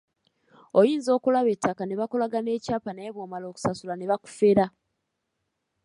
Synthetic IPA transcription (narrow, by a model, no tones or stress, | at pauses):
o̞jiːnzo̞ːkulaβe̞tːakane̞βakolaɡane̞ːcaːpaneːβwoːmalo̞ːku̥sasulane̞βaku̥fe̞ɾa